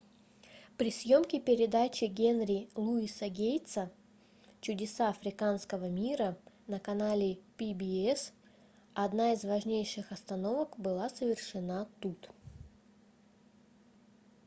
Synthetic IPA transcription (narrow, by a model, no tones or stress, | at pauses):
pɾʲɪsʲjo̞mkʲɪpʲɪɾʲɪd̪at͡ɕɪɡʲenɾʲɪlˠuisəɡʲejt̪sə | t͡ɕʊdʲɪsaɐfɾʲɪkanskəvəmʲiɾə | nəkɐnalʲɪpʲibʲɪɛs | ɐd̪naɪzvɐʐnʲejʂɨxɐst̪ɐno̞vəkbɨlˠasəvʲɪrʂɨnat̪ut̪